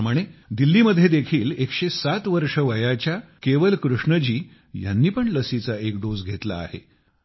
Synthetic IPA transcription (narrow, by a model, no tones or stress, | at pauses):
məɽ̃ed̪ilːiːməd̪ʱjed̪ekʰiːlekʂesat̪ʋəɾʂəʋəjat͡ɕjakeʋəlkɾuʂɳəd͡ʑiː | ja̰nːiːpəɳləsit͡saek̚d̪od͡zɡʱet̪la̰ːɦḛ